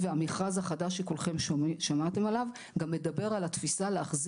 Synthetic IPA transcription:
veamiχazhaχadaʃːekolχemʃamat̪e̞malav | ɡamle̞d̪abe̞ʁalat̪fisaleːχz

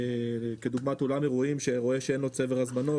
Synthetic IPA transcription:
ked̪uɡmat̪olamjeʁuimʃeʁo̞e̞ʃeenlot͡seveʁazmano̞

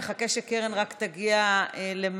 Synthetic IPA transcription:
eχakeʃekeʁenʁakt̪aɡiaelem

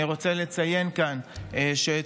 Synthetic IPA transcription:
ʁo̞t͡sele̞t͡saje̞nkanʃe

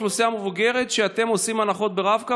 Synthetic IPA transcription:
lusiamevuɡe̞ʁet̪ʃeat̪e̞mo̞simanaχo̞t̪̚beʁavka

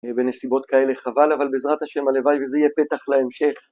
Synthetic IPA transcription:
be̞nesibo̞t̪kae̞le̞χavalavalbezʁat̪haʃe̞malevajvezeijepe̞t̪aχleemʃe̞χ

